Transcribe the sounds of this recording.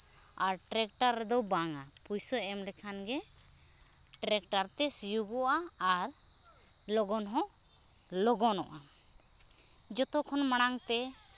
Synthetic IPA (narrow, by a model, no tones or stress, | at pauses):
aɾʈɾɛk̚ʈaɾːɛd̪ɔwbaŋapujsɔɛmlɛkʰanɡɛ | ʈɾɛk̚ʈaɾt̪ɛsijuɡɔʔaːɾ | lɔɡɔnɦɔ̃ | lɔɡɔnɔʔa | d͡ʒɔt̪ɔkʰɔnmaɽ̃aŋt̪ɛ